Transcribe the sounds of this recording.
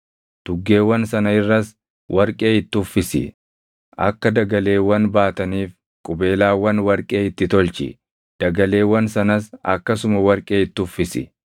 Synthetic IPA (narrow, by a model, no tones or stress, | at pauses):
d̪̥ʊɡːe̞ːwːɐnsɐnɐɪrːɐs | wʔɐɾkʼe̞ːɪt̪ːɪʊfːɪsɪ̰ | ʔɐ̰kːɐd̪ɐɡɐle̞ːwːɐnbaːt̪ɐniːf | kʼʊbe̞ːlaːwːɐnwɐɾkʼe̞ːɪt̪ːɪt̪ɔlt͡ʃɪ̰ | d̪̥ɐɡɐle̞ːwːɐnsɐnɐsɐ̰kːɐsʊmɐwɐɾkʼe̞ːɪt̪ːʊfːɪsɪ̰